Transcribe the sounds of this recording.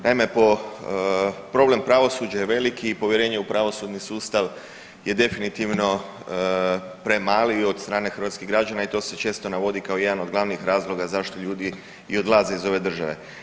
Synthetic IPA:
na̰ime̞po̞ | pɾo̞ble̞mpɾaʋo̞suːd͡ʒajeʋe̞likiːpo̞ʋjeɾe̞ːɲeupɾaʋo̞suːd̪nisuːst̪aʋ | je̞d̪e̞finit̪iʋno̞ | pɾe̞maːliod̪st̪ɾaːne̞xər̩ʋat̪skiɣɡɾad͡ʒanait̪o̞ːse̞t͡ʃe̞ːst̪o̞naʋo̞d̪ikao̞je̞d̪ano̞d̪ɡlaʋnixɾaːzlˠo̞ɡazaʃt̪o̞ʎuːd̪i | io̞d̪lˠaze̞izo̞ʋe̞d̪r̩ʒa̰ʋe̞̰

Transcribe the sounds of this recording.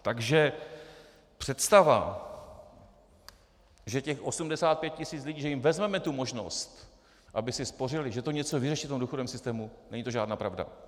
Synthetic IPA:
t̪aɡʒɛ | pr̥ɛt̪st̪ava̰ | ʒɛcɛxʔo̞sumdɛsaːt̪̚pjɛt̪̚cɪsiːt͡slɪɟiːʒɛjɪmvɛzmɛmɛt̪umo̞ʒno̰st̪ | ʔabɪsɪspo̞r̝ɪlɪʒɛt̪oɲɛt͡sovɪrɛʃift̪omduːxodovɛmsɪst̪ɛːmunɛɲit̪oʒaːdnaːpɾavda̰

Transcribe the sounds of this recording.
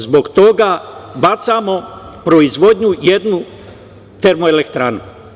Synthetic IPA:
zbo̞ɡt̪o̞ɡabat̪samo̞pɾoizʋo̞d̪ɲuje̞d̪nu | t̪eɾmoelekt̪ɾaːnu

